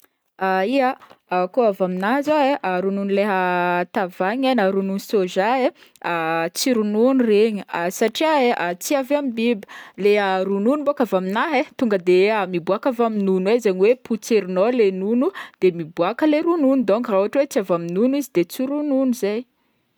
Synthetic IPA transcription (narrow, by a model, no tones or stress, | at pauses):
aiaakoavaminaɦzoeʔaɾununuleɦət̪avaɲanaɾununusoʒae | at͡siɾununureɲiasaʈ͡ʂiaeʔat͡siaveamibibə̥leɦaɾununumbakavaminaɦet̪uŋɡəd̪eamibuakavaminunwezaɲiweput͡seɾinolenunud̪̥emibuakəleɾununud̪oŋkrauɦaʈ͡ʂwet͡siavaminunizid̪et͡siɾununuzaj